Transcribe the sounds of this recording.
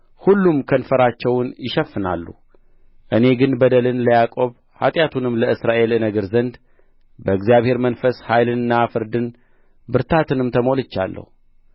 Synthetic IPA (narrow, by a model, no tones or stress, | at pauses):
hulːumkʰənfəɾat͡ʃːɛwnjɪʃɛfːɨna̰lːṵ | ʔɨne̞ɡɨnbəd̪əlɨnləjakʼo̞β | ha̰t̪ʼjat̪ʰunɨmləɨsɾaʔe̞lɨnəɡəɾzənd̪ | bəɨɡzijaβhe̞ɾmənfəshajlɨnɨnːafɨɾd̪ɨn | bɨɾt̪ʰat̪ʰɨnɨmt̪ʰəmo̞lɨt͡ʃːa̰lːə̰hu